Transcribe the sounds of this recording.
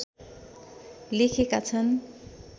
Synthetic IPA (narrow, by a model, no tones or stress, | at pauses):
lekʰekat͡sʰʌn